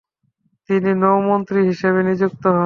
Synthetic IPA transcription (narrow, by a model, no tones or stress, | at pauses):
t̪ininowmont̪ɾiɦiʃeβenid͡ʑuk̚t̪oɦɔ